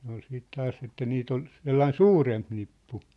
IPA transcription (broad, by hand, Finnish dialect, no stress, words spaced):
ne ol siːt tɑːs etːæ niːt ol selːɑĭn suːremp nipːu